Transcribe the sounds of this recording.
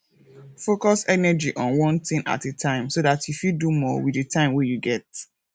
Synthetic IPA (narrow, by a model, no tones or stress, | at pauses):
fokɔsɛnɛd͡ʒiʔɔ̃nwɔ̃nθĩŋa̰tetʰãɪ̃msoðatʰjufidumɔwidətʰãɪ̃mwejuɡɛt